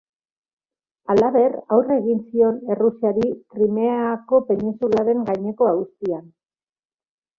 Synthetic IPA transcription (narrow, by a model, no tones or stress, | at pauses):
alaβe̞rawre̞ɣinsio̞ne̞rusiaɾikɾime̞ako̞pe̞ninsulaɾe̞ŋɡajɲe̞ko̞aust̪ian